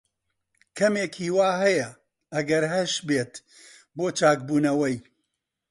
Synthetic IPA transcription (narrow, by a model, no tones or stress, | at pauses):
kʰɐmeːkʰiːwaːɦɐjɐ | ɐɡɐɾɦɐʃbeːt̪ | boːt͡ʃaːk̚buːnɐwɐj